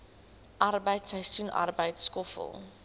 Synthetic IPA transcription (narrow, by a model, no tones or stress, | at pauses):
ʔɐrbəjtsəjsuna̰rbəjtskɔfə̰lˠ